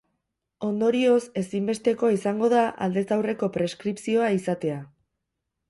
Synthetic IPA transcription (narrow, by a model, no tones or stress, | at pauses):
o̞nd̪o̞ɾio̞se̞simbe̞st̪e̞ko̞aisaŋɡo̞ð̞aʔa̰ld̪e̞sawre̞ko̞pɾe̞skɾipsio̞aisat̪e̞a